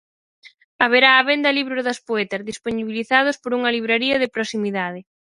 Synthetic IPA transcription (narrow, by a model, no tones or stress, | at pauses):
aβ̞eɾaːβend̪ɐliβɾoðɐspoɛt̪ɐzðisponiβiliθað̞ʊspoɾuŋɐliβɾeɾiɐðɪpɾosimiðað̞ɪ